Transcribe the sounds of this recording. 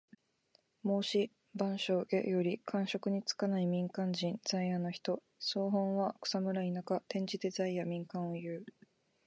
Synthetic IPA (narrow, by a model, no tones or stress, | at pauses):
mo̞ːɕi | bãɰ̃ɕo̞ːʔḛjo̞ɾʲikʰãɰ̃ɕo̞kɯ̟ɲ̟it͡sɨ̥kanaimʲĩŋkãɲd͡ʑĩnd͡zaijanoçi̥t̪o̞ | soːɦõɰ̃βakɯ̟̥samɯ̟ɾainakat̪ẽ̞ɲ̟d͡ʑid̪e̞zaijamʲĩŋkãɰ̃o̞jɯ̟ː